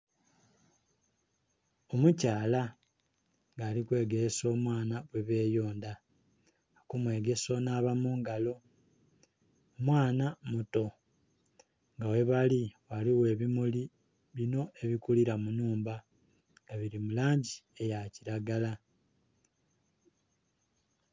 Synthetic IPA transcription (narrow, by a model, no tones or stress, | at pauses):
o̞mucaːla | ŋɡaːlikwe̞ːɡe̞ɾeso̞ːmwaːnaβwe̞βe̞ːjo̞ːnda | kumwe̞ːɡe̞so̞naːβamuːŋɡalo̞ | mwaːnamuto̞ | ŋɡawe̞βaliwaliwe̞ːβimuli | βino̞ʔe̞βikuliɾamunuːmba | ŋɡaβiɾimulaːɲɟie̞jaciɾaɡala